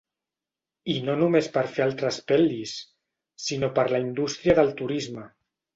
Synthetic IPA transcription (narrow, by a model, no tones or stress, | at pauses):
inonumespəɾfealˠt̪ɾəspɛlˠisː | inopəɾlaind̪ust̪ɾiəðəlˠt̪uɾizmə